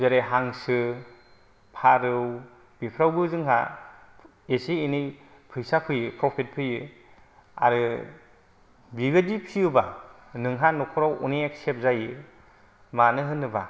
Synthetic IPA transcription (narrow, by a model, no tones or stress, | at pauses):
zeɾeɦaŋsɯ | pʰaɾɯw | b̥ipʰɾawbɯzɯŋɦa̰ | esiːnij | pʰɯjsapʰɯjɯpʰɾɔpʰit̚pʰɯjɯ | a̰ɾɯ | biɡɯdipʰijuba | nɯŋɦanɔkʰɔɾawṵniek̚sep̚zajɯ | manɯɦɯnːɯba